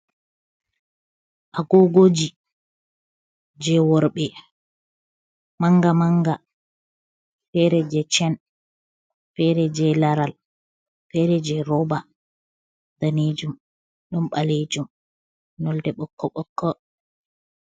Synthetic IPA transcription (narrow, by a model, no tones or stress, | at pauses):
ʔaɡɔɡod͡ʒi | d͡ʒɛwɔɾɓɛ | maŋɡamaŋɡa | fɛɾɛd͡ʒɛt͡ʃɛn | fɛɾɛd͡ʒɛlaɾal | fɛɾɛd͡ʒɛɾɔba | d̥aned͡ʒum | ɗɔmɓaled͡ʒum | nɔldɛɓɔkːɔɓɔkːɔ